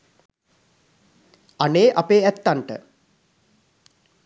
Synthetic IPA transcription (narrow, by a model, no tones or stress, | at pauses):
aneːʔapeːæt̪ːaɳʈə̰